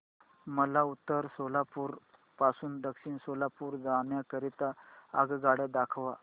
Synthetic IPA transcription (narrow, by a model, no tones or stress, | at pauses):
məlaut̪ːəɾsolapuːɾ | pasuːnd̪əkɕiːnsolapuːɾd͡zanjakəɾit̪aːɡɡaɽed̪akʰʋa